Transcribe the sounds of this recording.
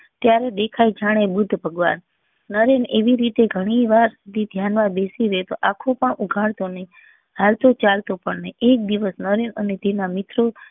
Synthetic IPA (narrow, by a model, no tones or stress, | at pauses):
t̪jaɾed̪ekʰajd͡ʒaɽ̃ebud̪ʱːbʱəɡʋa̰nː | əɾeneʋiɾit̪eɡʱəɽ̃iʋaɾsud̪ʱid̪ʱjanmãbesiɾet̪oʔakʰopəɳuɡʱaɭt̪onəɦĩ | ɦalt̪ʰot͡ʃalt̪opəɳnəiʔek̚d̪iʋəsnəɾenənet̪enamɪt̪ʰɾo